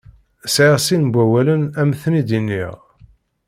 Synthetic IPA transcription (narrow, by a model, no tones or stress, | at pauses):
sʕiʁsinbʷæwælənæmθnid̪inːḭʁ